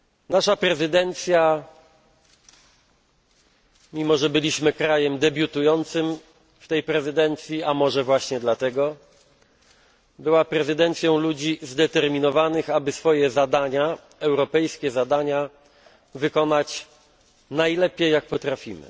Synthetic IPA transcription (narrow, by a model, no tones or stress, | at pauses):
naʂapɾɛzɘd̪ɛnt̪sʲja | mʲimɔʐɛbɘlʲiɕmɘkɾajɛmd̪ɛbʲjut̪ujɔnt̪sɘm | ft̪ɛjpɾɛzɘd̪ɛnt̪sʲjiamɔʐɛvwaɕɲɛd̪lat̪ɛɡɔ | bɘwapɾɛzɨd̪ɛnt̪sʲjɔ̃w̃lud͡ʑizd̪ɛt̪ɛɾmʲinɔvanɘxabɘsfɔjɛzad̪aɲa | ɛwɾɔpɛjskʲɛzad̪aɲa | vɘkɔnat͡ɕ | najlɛpʲjejːak̚pɔt̪ɾafʲimɘ̰